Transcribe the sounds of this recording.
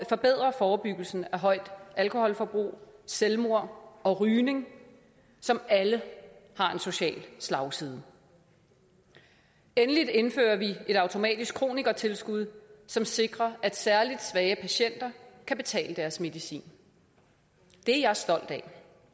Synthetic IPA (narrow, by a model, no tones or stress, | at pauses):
fɒ̽b̥e̝ð̰ˠʁɐfɒːb̥yɡ̥l̩sn̩æɦɒ̽ɪ̰d̥ælkʰo̝hɒ̽lfɒb̥ʁṵːselmo̝ɐ̰ɒ̽ʁyːne̝ŋ | sɒ̽mæləhɑ̈e̝nso̝ɕɛ̰ːlslɑ̈ʊsið̞ˠə | enəlid̥e̝nfø̰ːɐʋie̝ɾɑ̈ʊt͡sʰo̝mɛ̰ːd̥isɡ̥kʰʁo̝̰ːniɡ̥ɐt͡sʰe̝lsɡ̥uð̞̰ˠsɒ̽mse̝ɡ̥ʁɐʔæd̥sæɐlid̥sʋɛːəpʰæɕen̰d̥ɐkʰæb̥e̝t͡sʰɛ̰ːləd̥æɐsme̝ðˠisḭːn | d̥e̝æjɑ̈ɪsd̥ɒ̽l̰d̥ɛ